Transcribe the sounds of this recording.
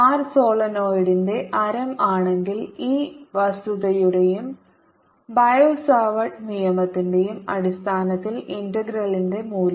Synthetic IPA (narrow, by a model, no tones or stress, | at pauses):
aːrso̞ːɭɐno̞ːjiɽinde̞ʔɐɾɐmaːɳe̞ŋɡiliːʋɐst̪uðɐjuɽe̞jum | bɐjosaːʋɐʈnijɐmɐt̪ːinde̞jumɐ̰ɽist̪ʰaːnɐt̪ːilindɐɡɾɐlinde̞muːlɐ